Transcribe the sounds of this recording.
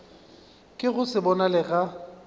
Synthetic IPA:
kʼɪɣʊsɪbɔnalɪɣa

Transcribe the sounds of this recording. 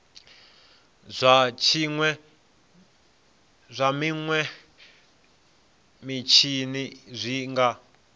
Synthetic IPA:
zʷat͡ʃʰiŋwɛ | zʷamiŋwɛ | mit͡ʃʰinizʷiŋɡa

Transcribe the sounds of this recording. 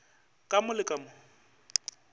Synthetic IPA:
kʼamʊlɪkʼamʊ

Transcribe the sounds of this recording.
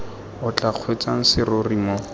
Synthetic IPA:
ʊt͡ɬʼaq͡χʰwet͡sʼaŋ̩sɪrorimɔ

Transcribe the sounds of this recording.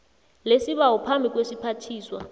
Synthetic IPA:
lesiɓawɔpʰambʱik̬ʼwesipʰatʰiːswa

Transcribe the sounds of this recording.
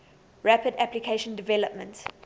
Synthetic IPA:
ɹæpədæplikʰeɪʃə̃ndɪvɛləpmə̃nt

